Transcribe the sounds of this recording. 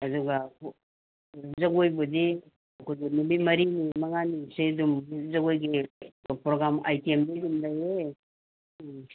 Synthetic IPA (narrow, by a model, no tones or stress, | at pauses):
ɐduɡa | zɐɡojbudi | ɐkojɡinubimɐɾinimɐŋanisedumzɐɡojɡipɾoɡɾama̰jtiemdidumlɐjɾe